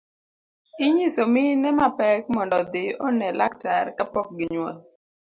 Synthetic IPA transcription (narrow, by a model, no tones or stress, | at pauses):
ɪɲisomɪnɛmapɛk̚mɔndɔd̪ɪɔnɛlak̚taɾkapɔk̚ɡɪɲwɔ̰l